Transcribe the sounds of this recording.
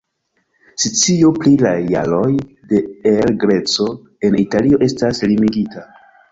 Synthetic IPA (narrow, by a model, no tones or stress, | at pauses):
sit͡sioplilaja̰lo̞j | de̞elɡɾe̞t͡so̞ | e̞nitalio̞ʔe̞staslimiɡita